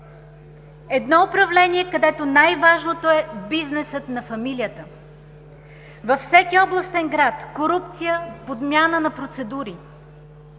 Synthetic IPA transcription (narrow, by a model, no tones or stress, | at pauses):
ɛd̪nɔʊpɾɐvlɛniɛkɐd̪ɛt̪onajvaʒnot̪oɛbiznɛsət̪nɐfɐmilijət̪ə | vɐfsɛkiɔblˠəst̪ɛnɡɾat̪koɾup̚t̪sijəpod̪mʲjanənɐpɾot̪sɛd̪uɾi